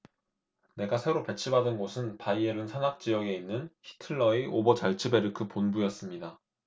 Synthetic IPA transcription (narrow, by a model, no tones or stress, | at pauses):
ne̞ɡasʰe̞ɾope̞t͡ɕʰibadɯnɡosʰɯnpaieɾɯnsʰanak̚t͡ɕ͈ijʌɡe̞inːɯnçʰi̥tʰɯɭːʌiʔobʌt͡ɕaɭt͡ɕʰɯbe̞ɾɯkʰɯponbujʌs͈ɯmɲida